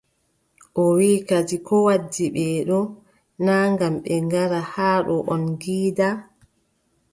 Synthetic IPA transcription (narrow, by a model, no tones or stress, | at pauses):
ʔɔwiːkad͡ʒikɔwadːiɓɛːɗɔ | naːŋɡamɓɛŋɡaɾahaːɗɔʔɔnɡiːda